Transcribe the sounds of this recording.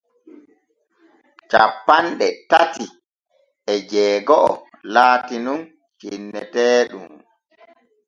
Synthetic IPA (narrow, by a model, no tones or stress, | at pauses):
t͡ʃapːanɗɛtati | ʔɛd͡ʒɛːɡɔʔɔ | laːtinun | t͡ʃinːɛtɛːɗum